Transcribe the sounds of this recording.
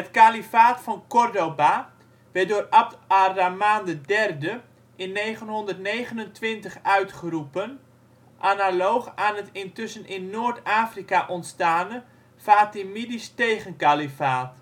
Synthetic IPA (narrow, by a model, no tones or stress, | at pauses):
ətkalifaːtfɔnkɔrdoba | ʋɛdoːrabaramaːndədɛrdə | ʔɪnːeːχənɦɔndərtnejɣənəntʋɪntəχœɥtχərupən | ʔanalowχaːnɦətɪntʏsənʔɪnːoːərtaːfrikaʔɔntstaːnə | faːtimidisteːχənkalifaːt